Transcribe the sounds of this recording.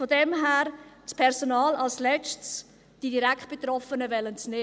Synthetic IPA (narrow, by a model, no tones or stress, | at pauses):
fodɛmɦæːɾ | t͡spʰɛɾsonɑːlɑlslɛt͡ʃts | d̥idiɾækt̚b̥et̪ɾɔfənəvɛlənsneː